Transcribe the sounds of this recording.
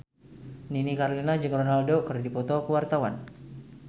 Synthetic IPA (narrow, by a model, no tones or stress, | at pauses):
ninikaɾlinad͡ʒɨŋronaldokɨrdipɔt̪ɔkəwart̪awan